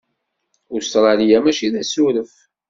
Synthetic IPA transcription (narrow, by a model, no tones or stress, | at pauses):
ʊɾst̪ɾˤɑlijæmæʃiðæsuɾəf